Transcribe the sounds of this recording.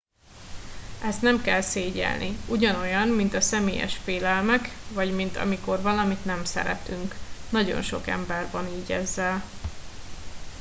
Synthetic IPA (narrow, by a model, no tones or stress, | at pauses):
ɛst̪nɛmkɛlseːɟɛ̰lnʔiuɟɒno̞jɒnmint̪ɒsɛmeːjɛ̰ʃfeːlɛlmɛkvɒɟmint̪ʰɒ̰miko̞rvɒlɒmit̪nɛmsɛ̰ɾɛ̰t̪yŋknɒɟo̞̰nʃo̞kɛ̰mbɛrvɒniːɟɛzːɛl